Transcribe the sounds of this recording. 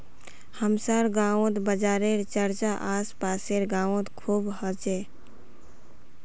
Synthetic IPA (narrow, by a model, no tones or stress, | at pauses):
həmsaːɾɡãːõt̪bəd͡ʒaːɾeɾt͡ʃəɾt͡ʃaʔaːspaːseɾɡãːõt̪kʰuːbhət͡ʃe